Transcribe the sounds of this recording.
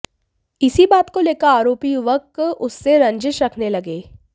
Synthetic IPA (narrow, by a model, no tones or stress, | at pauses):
ɪsibaːt̪koleːkaaːɾoːpijʊʋəkʊsːeɾɐ̃ɲd͡ʒʃɾɐkʰnelɐɡeː